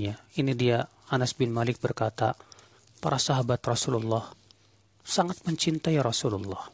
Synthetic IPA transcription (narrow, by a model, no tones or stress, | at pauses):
ainidia | anasbɪnmalɪk̚bərkat̪a | pa̰ɾasaɦabat̪rɔsululːɑh | saŋat̪̚məɲt͡ʃint̪aiɾɔsululːɔh